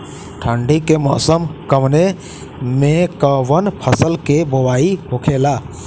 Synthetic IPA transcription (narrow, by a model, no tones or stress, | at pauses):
ʈʰə̃ɳɖikemɔʔsəmkəmne | mekəwənpʰəsəlkebɔwaiɦokʰela